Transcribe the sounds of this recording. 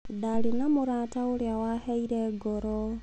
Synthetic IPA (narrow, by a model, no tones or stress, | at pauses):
dalinamoɾaːtaoɾeawaheiɾeɡoɾɔ